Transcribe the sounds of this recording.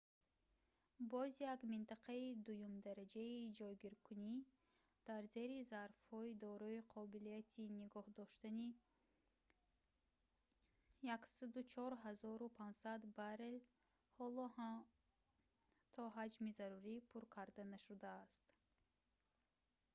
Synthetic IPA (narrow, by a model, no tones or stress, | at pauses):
bɔzijakmint̪ʰaqʰaid̪ujumd̪aɾad͡ʒaid͡ʒɔjɡiɾkʰuni | d̪̥aɾze̞ɾizaɾfhɔid̪ɔɾɔiqʰɔbilijat̪ʰiniɡɔhd̪ɔʃt̪ani | jaksad̪ut͡ʃʰɔɾɦazɔɾupʰand͡ʒsad̪baɾel | hɔlɔha | t̪ʰɔɦad͡ʒmizaɾuɾipʰuɾkʰaɾd̪anaʃud̪aːst̪